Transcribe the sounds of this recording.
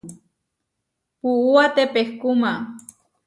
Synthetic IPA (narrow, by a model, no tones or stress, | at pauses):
puuat̪epexkuma